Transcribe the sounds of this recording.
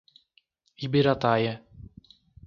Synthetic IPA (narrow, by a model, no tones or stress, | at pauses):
ibiɾat̪ajɛ